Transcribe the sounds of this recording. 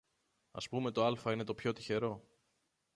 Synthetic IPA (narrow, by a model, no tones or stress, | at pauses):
ɐ̰spume̞t̪o̞ɐlfɐine̞t̪o̞pço̞t̪içe̞ɾo̞